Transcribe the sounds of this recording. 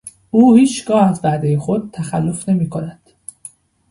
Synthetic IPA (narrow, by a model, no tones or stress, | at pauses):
ʔuːhiːt͡ʃɡɒːhæzvæd̪ejexod̪̚t̪ʰːæxælːo̞fne̞miːkʰonæd̪̥